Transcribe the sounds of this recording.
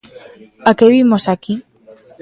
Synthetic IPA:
akeβimosaki

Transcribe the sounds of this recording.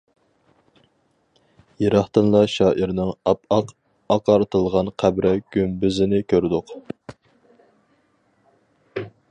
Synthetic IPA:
jeɾɑχt̪ɨnlˠɑʃɑːʔiɾnɪŋɑpɑq | ɑqɑɾt̪ʰɨlˠʁɑnqʰæbɾɛɡ̥ʲymbyzɪnɪkʲʰøɾd̪ʊq

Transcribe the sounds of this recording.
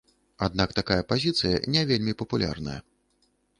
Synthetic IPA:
ad̪̚nakt̪akajɐpazʲit̪sɨjɐ̰nʲɛvʲelʲmʲipɐpulʲa̰rnɐ̰jɐ̰

